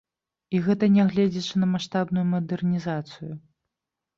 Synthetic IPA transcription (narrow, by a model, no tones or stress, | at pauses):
iɣɛt̪ɐnʲɛɣlʲɛd͡zʲɛt͡ʂɨnɐmaʂt̪abnujumɐd̪ɛrnʲizat̪sɨju